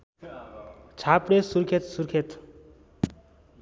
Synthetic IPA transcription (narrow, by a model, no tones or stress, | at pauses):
t͡sʰapɽesuɾkʰet̪surkʰet̪